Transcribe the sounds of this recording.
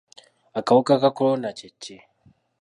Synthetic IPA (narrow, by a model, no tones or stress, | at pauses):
akawkakakʊɾonat͡ʃɛt͡ʃːe